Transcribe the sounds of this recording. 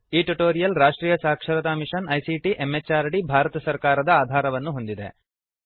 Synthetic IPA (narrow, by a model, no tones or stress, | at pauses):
iːʈuʈoːɾijɐlɾaːʂʈɾiːjɐsaːkʂɐɾɐt̪aːmiʂɐnɐjsiʈiʔemːet͡ʃːaːɾɖibʱaːɾɐt̪ɐsɐɾkaːɾɐd̪ɐaːd̪ʱaːɾɐʋɐnːuɦo̞nd̪id̪e̞̰